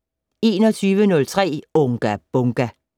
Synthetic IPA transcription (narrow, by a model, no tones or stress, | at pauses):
e̝ːnɒ̽t͡sʰyːʋənɔ̽lt͡sʰʁɛ̰ːoŋɡ̥æb̥ɔŋɡ̥æ